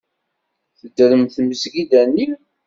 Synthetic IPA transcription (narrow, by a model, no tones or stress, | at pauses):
θəd̪ːəɾəmθməsɡid̪ænːi